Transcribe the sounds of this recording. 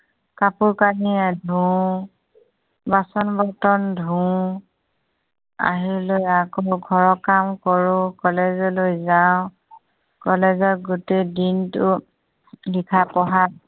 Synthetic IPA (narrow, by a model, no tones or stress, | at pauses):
kapuɹkaniadʱũ | basɔnbɔtɔndʱũ | a̰ɦiɹlojakɔɡʱɔɹɔkamkɔɹʊ̃kɔlezɔlojzaʊ̃ | kɔlezɔtɡutejdintʊ | likʰapɔɦa